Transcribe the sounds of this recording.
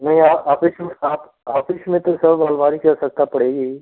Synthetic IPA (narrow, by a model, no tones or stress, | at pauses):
nɐɦĩaːaːfɪʃmẽaːp | aːfɪʃmẽt̪osɐbʋaːlʋaːɾikɐɾsɐk̚t̪apɐɽeːɡiː